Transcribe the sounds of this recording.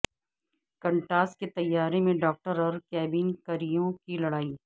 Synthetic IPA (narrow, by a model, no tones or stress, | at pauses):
kɐ̃ɳʈaːsʈket̪ɐjːaːɾemẽɖɔːk̚ʈəɾɔːɾkɛːbiːnkɐɾijõkilɐɽaːiː